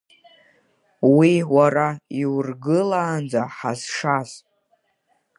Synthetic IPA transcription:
wiwaɾaiwrɡɨlaːnd͡zaħaz̥ʂaz

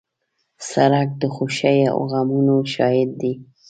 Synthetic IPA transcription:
saɾak̚d̪əxuʃajao̰ɣamunoʃɑjɪd̪̚ːi

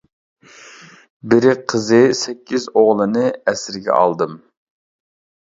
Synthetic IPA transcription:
bɪɾɪqʰəzɨsɛkʲʰːizoʁlˠɨnɨɛsɾɪɡʲɛ̰ɑ̰lˠd̪ɨm

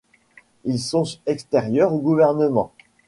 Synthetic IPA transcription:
ilsɔ̃ɛkst̪ɛʁjœʁoɡuvɛʁnəmɑ̃

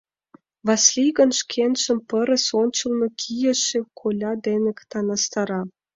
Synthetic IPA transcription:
βɑslʲiɣə̆nʃkʰenʃə̆mpəɾə̆sonʲt͡ɕə̆lnokʰijə̆ʃĕkʰolʲɑd̪enə̆kt̪ɑnɑst̪ɑɾɑ

